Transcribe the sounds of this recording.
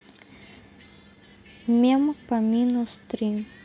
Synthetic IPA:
mempɐmʲinust̪ɾi

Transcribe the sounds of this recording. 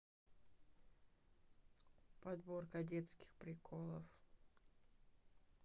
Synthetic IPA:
pɐd̪borkɐdʲet̪skʲɪ̥xpɾʲɪkʰolˠəf

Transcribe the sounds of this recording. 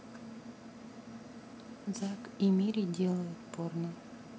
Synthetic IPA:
zakimʲiɾʲidʲelˠəjʊt̪pornə

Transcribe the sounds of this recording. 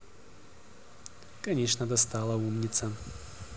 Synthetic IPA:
kɐnʲeʂnəd̪ɐst̪alˠəumnʲɪt̪sə

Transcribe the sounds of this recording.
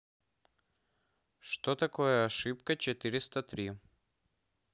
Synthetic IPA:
ʃt̪ot̪akɔjaːʃipkɐt͡ʃɛt̪iɾist̪ɐt̪ɾi

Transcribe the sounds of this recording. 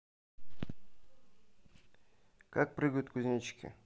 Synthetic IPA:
kak̚pɾʲɨɡəjʊt̪kʊzʲnʲit͡ɕkʲɪ̰

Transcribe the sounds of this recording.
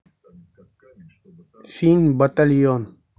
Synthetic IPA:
siːnbɐt̪ɐlijoːn

